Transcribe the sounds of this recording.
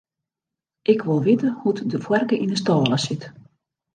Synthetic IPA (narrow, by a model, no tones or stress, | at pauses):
ʔɪkʋɪlˠʋɪtəhutdəfwɛrkəʔinəstɔːlˠəsɪt